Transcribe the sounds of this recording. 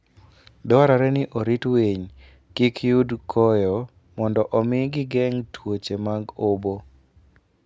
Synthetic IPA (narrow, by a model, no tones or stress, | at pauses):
dɛwaɾaɾɛnɪʔoɾitweɲ | kikʰjudkʰɔjɔ | mɔndɔʔɔmɪɡɪɡɛŋtʰwot͡ʃemaɡobo